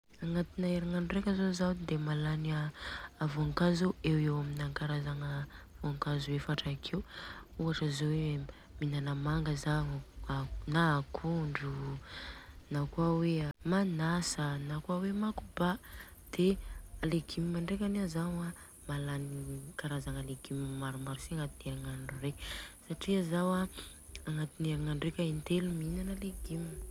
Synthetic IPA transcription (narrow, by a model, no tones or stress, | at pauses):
aŋat̪inaeɾanaɳɖ͡ʐekʲəzozawd̪emalaniaːvoaŋkazuewewaminaŋkaɾazaŋa | voaŋkazuwefaʈ͡ʂakʰewuaʈ͡ʂəzowe | minanəmaŋɡəzaɲanakʰuɳɖ͡ʐu | nakwawemanasənakuawemakubad̪̥ealeɡimimaɳɖ͡ʐek̬ʲanazaŋa | malanikaɾazaŋaleɡimimaɾumaɾusiaŋat̪iniaŋaɳɖ͡ʐurekʲsaʈ͡ʂiazawaaŋat̪iniaŋaɳɖ͡ʐekʲaint̪eluminanaleɡim